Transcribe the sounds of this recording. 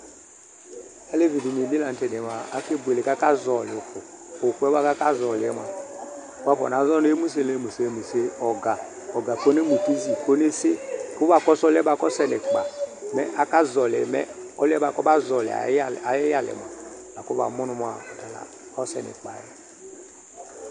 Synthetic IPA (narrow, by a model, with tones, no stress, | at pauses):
a˦le˦vi˨di˨ni˨bi˦la˨n̩˦tɛ˨nɛ˨ma˨a˦ke˦bʷe˨le˨ka˦ka˦zɔ˨lɪ˨o˨ku˨o˨ku˦ɛ˦ba˦ka˦ka˦zɔ˨li˨ɛ˦ma̰˨ | wa˦kɔ̰˨n˨a˨˦zɔ˦ne˦e˦mu˦s̬e˦˨le˦mu˨se˦˨me˨se˦ɔ˨ɡa˨ | ɔ˨ɡa˨ko˦ne˦mu˨ki˦zi˨ko˦ne˦se˦ku˦ba˨kɔ˦sɔ˦lɛ˦ba˨˦kɔ˦sɛ˦nɛ˨k͡pa̰˨mɛ˦ʔa˦ka˦zɔ˨lɛ̰˨mɛ̰˦ɔ˦lɛ˦ba˨kɔ˦ba˦zɔ˨lḭ˨a̰˨˦˨a˨˦ja˦lɛ̰˨m˨a̰˨la˨ko˦ba̰˨mu˦nu˦m˦a˨ta˨la̰˨ | ɔ˦sɛ̰˨nɛ̰˨k͡pa̰˨jɛ˨